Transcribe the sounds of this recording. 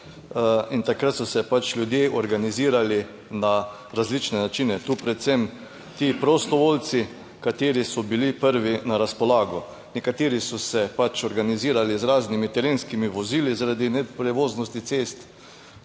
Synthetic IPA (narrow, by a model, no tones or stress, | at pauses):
int̪akɾat̪sɔsɛpat͡ʃlʲjud̪jeʔɔɾɡaniziːɾali | na | ɾazlit͡ʃnɛnat͡ʃinɛt̪uːpɾɛt̪sɛm | t̪iːpɾɔst̪ɔʋolt̪si | kat̪eːɾisɔbilipəɾʋinaɾaspɔlaːɡɔ | nɛkat̪eːɾisɔsɛpat͡ʃɔɾɡaniziːɾalizɾaːznimit̪ɛɾeːnskimiʋɔzilizaɾad̪inɛpɾɛʋoːznɔst̪it̪seːst̪